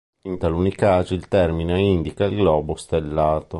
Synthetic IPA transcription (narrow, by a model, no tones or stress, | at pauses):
int̪alunikaːd͡ʒiilt̪ɛrmineind̪ikailɡlɔːbost̪elːaːt̪o